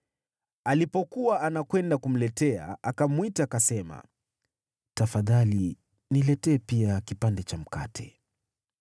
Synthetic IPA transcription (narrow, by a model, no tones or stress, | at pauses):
alipɔkuwaanakwɛndakum̩lɛtɛa̰akamwitaːkasɛma̰ | tafaðali | nilɛtɛːpiakipandɛt͡ʃam̩katʰɛ̥